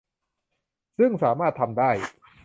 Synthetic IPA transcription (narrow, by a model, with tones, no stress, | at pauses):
sɯ˥˩ŋsaː˩˦maː˥˩t̪ʰːa˧mdaː˥˩j